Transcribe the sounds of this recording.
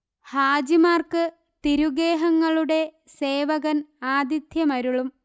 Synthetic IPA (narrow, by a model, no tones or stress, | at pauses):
haːd͡ʑimaːrkɨ | t̪iɾuɡeːɦɐŋːɐɭuɽe̞ | seːʋɐɣɐnaːd̪id̪jɐmɐɾuɭum